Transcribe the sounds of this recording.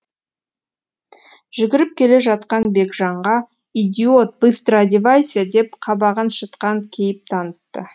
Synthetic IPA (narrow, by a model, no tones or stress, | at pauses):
ʒ̥ʏɡʲɪɾɪp̚kʲʰe̞le̞ʒɑt̪̚qɑnbe̞kʒɑɴʁɑ | id̪ʲiot̪̚b̥ɨst̪rad̪ʲivajsʲijad̪e̞p̚qʰɑbɑʁənʃət̪qɑŋkʲʰe̞jɪp̚t̪ʰɑnət̪ːə